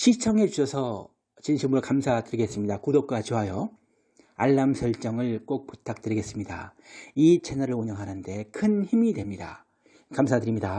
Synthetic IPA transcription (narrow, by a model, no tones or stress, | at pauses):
ɕʰit͡ɕʰʌŋe̞t͡ɕuɕʰʌsʰʌ | t͡ɕinɕʰimuɾokamsʰadɯɾiɡe̞s͈ɯmɲidakudop̚k͈wat͡ɕoɦajʌ | aɭːamsʰʌɭt͡ɕ͈ʌŋɯɭk͈ok̚pu̥tʰak̚t͈ɯɾiɡe̞s͈ɯmɲida̰ | it͡ɕʰenʌɾɯɭuɲʌŋɦanɯnde̞kʰɯnçimidwe̞mɲida̰ | kamsʰadɯɾimɲida